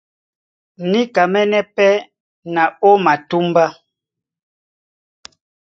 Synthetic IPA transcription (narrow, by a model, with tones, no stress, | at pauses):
ni˦ka˨mɛ˦nɛ˦pɛ˦ | na˨o˦ma˨tu˦mba˦